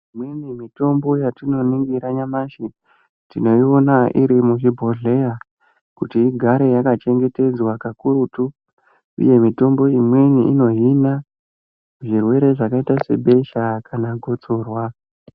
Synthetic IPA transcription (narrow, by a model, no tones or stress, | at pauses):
imwenimito̞mbo̞jatino̞niŋɡiɾaɲamaʃi | tino̞io̞naʔiɾimuʐibʱo̞ɮe̞ja | kutiːɡʱaɾe̞jakat͡ʃe̞ŋɡe̞te̞d͡zwakakuɾutu | ṵje̞mito̞mbo̞imwe̞niino̞ɦina | uʐirwe̞ɾe̞ʐakaitase̞ɓe̞ʃakanaɡʱot͡soːrwa